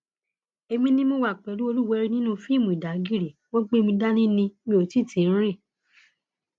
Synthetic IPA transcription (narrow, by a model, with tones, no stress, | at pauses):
e˧mĩ˦nĩ˦mõ˦wa˦˨k͡pɛ˨lu˦o˧lu˦˨wɛ˧˦ɾi˦nĩ˦nũ˦fi˦˨mũ˨i˨da˨˦ɡi˦ɾi˨wõ˦ɡ͡be˦mũ˧da˦nĩ˦nĩ˧mĩ˧˨o˨ti˦˨ti˨˦n̩˦ɾ̃ĩ˦˨